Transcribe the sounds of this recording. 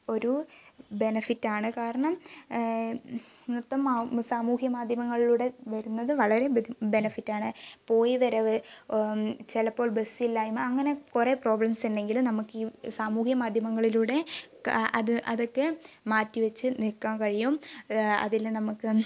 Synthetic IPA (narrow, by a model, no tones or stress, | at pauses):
o̞ɾube̞nɐfitːaːɳɨkaːɾɐɳɐm | nrt̪ːɐmːsaːmuːhjɐmaːd̪ʱjɐmɐŋːɐɭiluːɽe̞ʋɐɾunːɐðɨʋɐɭɐɾe̞be̞nɐfitːaːɳɨpo̞ːjiʋɐɾɐʋ | t͡ɕelɐpːo̞ːɭbesilːaːjumɐŋːɐne̞kure̞ːpro̞ːblɐmsenɖe̞ŋɡilumnɐmukːisaːmuːhjɐmaːd̪ʱjɐmɐŋːɐɭiluːɽe̞ | ɐðɨʔɐðo̞kːe | maːtːiʋɐt͡ɕːɨnikːaːmkɐɻijumɐ̰ðilnɐmukːɨ